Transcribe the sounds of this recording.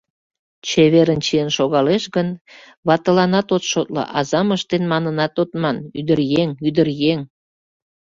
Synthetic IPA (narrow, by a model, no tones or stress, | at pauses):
t͡ɕeβeɾənt͡ɕiənʃoɣɑleʃɣən | βɑt̪əlɑnɑt̪ot̪ʃot̪lə̰ʔɑzɑməʃt̪enmɑnənɑt̪ot̪mɑnyd̪ərjeŋyd̪ərjeŋ